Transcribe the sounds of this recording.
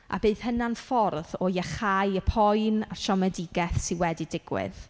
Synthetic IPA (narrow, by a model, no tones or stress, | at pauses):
ʔa̰bɨːð̥hənanfɔrðɔjaχajəpʰɔjnaʃɔmɛdɪɡɛθsɪnwɛdidɪɡ̥wɪ̰ð